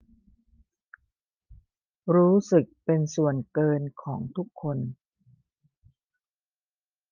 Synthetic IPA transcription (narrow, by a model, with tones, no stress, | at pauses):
ɾuː˦˥sɯ˨˩k̚pe˧nsu˨˩ənkɤː˧nkʰɔː˩˦ŋt̪ʰu˦˥kʰːo˧n